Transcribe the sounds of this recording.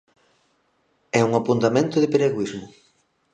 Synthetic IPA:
ɛuŋapunt̪amẽnt̪ʊðɪpeɾeɣwizmʊ

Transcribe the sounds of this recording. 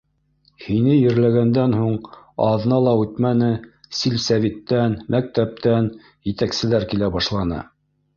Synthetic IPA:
hinɘjɘ̆ɾlæɡænd̪ænhuɴɑðnɑlˠɑʉt̪mænɘsilsævit̪ːænmæk̚t̪æp̚t̪æn | jɘ̆t̪æksɘ̆læɾkilæbɑʃlˠɑnɤ̰

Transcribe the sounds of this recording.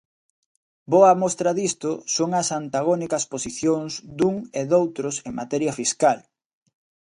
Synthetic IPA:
boɐmɔst̪ɾɐðist̪ʊsoŋɐsant̪aɣonikɐsposiθjoŋzd̪uŋeðowt̪ɾʊseŋmat̪ɛɾjɐfiskal

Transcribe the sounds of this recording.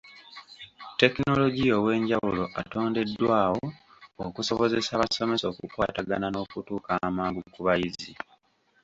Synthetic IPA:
te̞kino̞lo̞ɟio̞we̞ːɲɟawulo̞ʔato̞ːnde̞dːwaːwo | okuso̞βo̞ze̞saβaso̞me̞so̞ːkukwaːtaɡanano̞ːkutuːkamaːŋɡukuβajizi

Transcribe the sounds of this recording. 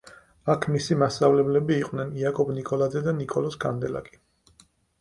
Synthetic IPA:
akʰmisimast̪avlɛblɛbiːqʼwnɛniakʼɔbnikʼɔlˠad̪zɛd̪anikʼɔlɔsɡand̪ɛla̰kʼi̥

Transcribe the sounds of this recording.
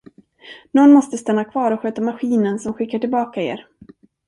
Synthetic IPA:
nɔnːmɔst̪əst̪anːakʰvɑːɾɔɧøːt̪amaɧiːnənsɔmɧɪkːaʈɪlbɑːkaḛːɾ

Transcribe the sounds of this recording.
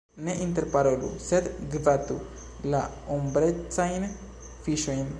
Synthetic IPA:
neʔint̪eɾpaɾolṵset̪ɡvat̪u | la | ombɾet͡sajn | fiʃoin

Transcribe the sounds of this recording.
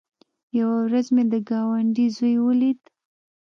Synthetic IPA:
jawawɾazmed̪əɡɑwaɳɖizojwəlid̪

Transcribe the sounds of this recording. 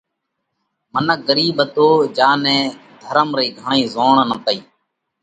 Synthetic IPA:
mənək̚ɡəɾiːbət̪oːd͡ʒaːnɛ̃ːd̪ʱəɾəmɾiːɡʱəɳĩːzoːɳnəpəiː

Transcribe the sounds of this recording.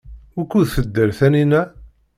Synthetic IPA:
ʊɾkːuðθəd̪ːəɾθæninæ

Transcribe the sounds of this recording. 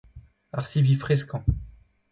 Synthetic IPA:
a̰ʁsivifχɛskɑ̃

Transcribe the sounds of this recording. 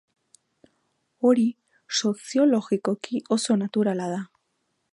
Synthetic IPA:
o̞ɾi | so̞sjo̞lo̞ɣiko̞kiʔo̞so̞nat̪uɾalað̞a

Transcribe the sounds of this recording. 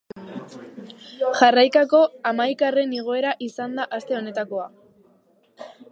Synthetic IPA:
ʝarajkako̞amajkare̞niɣ̞o̞e̞ɾaʔisand̪aʔast̪e̞o̞ne̞t̪ako̞a

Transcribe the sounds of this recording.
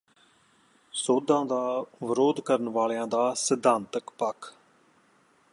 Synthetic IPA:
soːd̪ãːd̪aːʋəɾoːd̪kəɾənʋaːlːãːd̪aːsəd̪ʱãːnt̪əkpəkʰ

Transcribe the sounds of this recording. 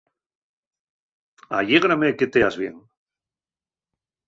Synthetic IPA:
a̰jeɣɾameket̪eazβjḛŋ

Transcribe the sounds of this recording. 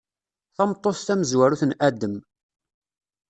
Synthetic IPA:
θɑmt̪ˤːost̪æməzwæɾuθnʔæd̪əm

